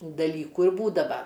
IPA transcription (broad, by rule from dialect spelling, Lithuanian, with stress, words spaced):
dɐˈlʲiːkuː ɪr ˈbuːdɐʋɐ